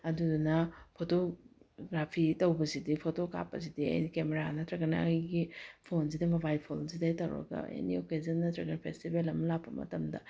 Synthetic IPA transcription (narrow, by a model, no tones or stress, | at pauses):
ɐdudunɐpʰotoɡɾapʰitɐwbɐzidipʰotoka̰pːɐ̰zidiɐ̰jnikemeɾanɐtɾɐɡɐnɐjɡipʰonz̬idimobajpʰo̰lzidajtɐwɾɐ̰ɡɐ̰ḛniokezɐnːɐtɾɐɡɐnɐpʰestibelɐmɐlapːɐmɐ̰tɐmdɐ̰